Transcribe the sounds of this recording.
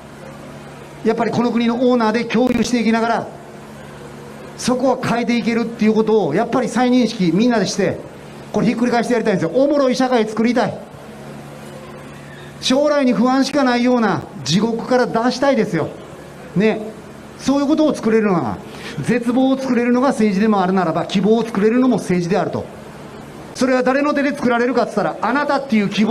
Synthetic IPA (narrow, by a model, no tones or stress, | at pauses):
japːaɾʲiko̞no̞kɯ̟ɲ̟ino̞koːnaːd̪e̞kʲo̞ːɾɯːɕi̥t̪e̞ikʲinaɡaɾa | so̞ko̞βakʰaet̪̬e̞ik̬e̞ɾɯ̟t̪ːe̞jɯ̟ko̞t̪o̞ːjapːaɾʲisaiɲ̟ĩɰ̃ɕi̥kʲimʲĩnːad̪e̞ɕi̥t̪e̞ | ko̞ɾeçikːɯɾʲikaiɕit̪ejaɾʲit̪aĩnesjoʔomo̞ɾo̞iɕakait͡sɨ̥kɯ̟ɾʲit̪ai | ɕo̞ːɾaiɲ̟iɸɯ̟βãɰ̃ɕi̥kanaijo̞ːnad͡ʑiɡo̞kɯ̟̥kaɾad̪aɕi̥t̪aid̪e̞sɨjo̞̰ | ne̞ | so̞ːjɯ̟ko̞t̪̬o̞ːt͡sɨ̥kɯ̟ɾe̞ɾɯnooɡa̰ | ze̞t͡sɨbo̞ːot͡sɨ̥kɯ̟ɾe̞ɾɯ̟no̞ɡase̞ːʑid̪e̞mo̞aɾɯ̟naɾabakʲibo̞ːt͡sɨ̥kɯ̟ɾe̞ɾɯ̟no̞mo̞se̞ːʑid̪e̞aɾɯ̟t̪o̞̰ | so̞ɾe̞β̞ad̪aɾe̞no̞t̪̬e̞d̪e̞t͡sɨ̥kɯ̟ɾaɾe̞ɾɯ̟kat͡sɨ̥t̪ːaɾaanat̪at̪ːe̞jɯ̟kʲib